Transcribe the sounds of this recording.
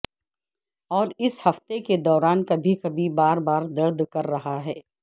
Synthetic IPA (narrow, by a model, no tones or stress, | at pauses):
ɔːɾɪshɐft̪eked̪ɔːɾaːnkɐbʱikɐbʱibaːɾbaːɾd̪ɐɾd̪kɐɾːɐɦaɦɛː